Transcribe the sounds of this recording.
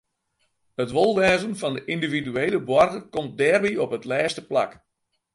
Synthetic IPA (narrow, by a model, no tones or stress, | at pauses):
ətʋolˠʋɛːzənfɑndəʔindividyeːləbwɔrɣəkɔmt̚dɛːrbiɔpɦətlɛːstəpla̰k